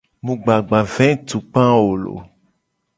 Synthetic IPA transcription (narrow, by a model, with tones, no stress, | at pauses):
mũ˨ɡ͡ba˨ɡ͡bã˨vɛ̃˦t̪u˨k͡pã˦wo˨lo̰˨